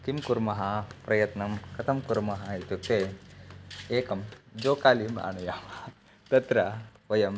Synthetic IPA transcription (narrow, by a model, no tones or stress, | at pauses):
kimkuɾmɐɦɐpɾɐjɐt̪nɐmkɐt̪ʰɐmkuɾmɐɦɐit̪ut̪e | eːkɐmd͡ʒoːkaːlima̰ːɳɐjaːm | t̪ɐt̪ɾɐʋɐjɐm